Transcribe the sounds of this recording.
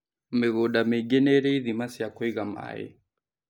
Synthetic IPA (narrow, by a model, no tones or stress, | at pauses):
meɣoɗameɡɛnɛɾɛiðimasiakɔiɣama̰ɛ̰